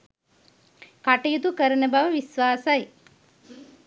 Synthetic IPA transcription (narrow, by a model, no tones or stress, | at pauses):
kaʈɐjut̪ukəɾənəbaʋəʋisʋaːsɐj